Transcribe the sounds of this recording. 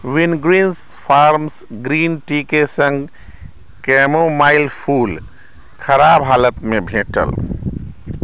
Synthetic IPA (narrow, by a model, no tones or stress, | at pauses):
ʋinɡɾiːns | pʰaːɾms | ɡɾiːnʈikesə̃ŋɡ | kɛːmomaːɪlpʰuːl | kʰəɾaːbɦaːlət̪mẽbʱẽːʈə̰l